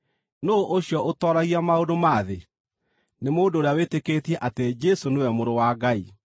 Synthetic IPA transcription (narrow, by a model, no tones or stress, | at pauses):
noʔoɕjɔʔotɔɾaɣiamaodomaðe | nemoːndoːɾeawetekeːtiɛʔated͡ʒɛsonewɛmoɾowaɡai